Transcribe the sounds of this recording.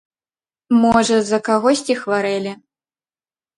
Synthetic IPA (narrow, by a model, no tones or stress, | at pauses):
mɔʐɐzɐkaɣɔsʲt͡sʲixvaɾɛlʲi